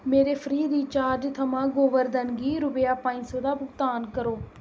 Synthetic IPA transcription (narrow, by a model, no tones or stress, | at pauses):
meːɾeːpʰəɾiːd̪iːt͡ʃaːɾd͡ʒt̪ʰəmãːɡoːʋəɾd̪ənɡiːɾʊpjaːpãːĩːsõːd̪aːbʊɡt̪aːnkəɾoː